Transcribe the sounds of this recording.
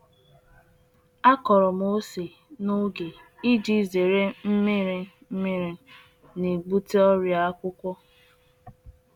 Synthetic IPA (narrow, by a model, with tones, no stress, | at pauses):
a˦kɔ˨ɾɔ˨m˦o˦se˨ | no˦ɡe˨ | i˦d͡ʒi˦˨ze˨ɾe˦m̩˦mɪ˦ɾɪ˦ | m̩˦mɪ˦ɾɪ˦ | ne˨ɡ͡bu˦te˦ɔ˦ɾja˦kʷʊ˦kʷɔ˦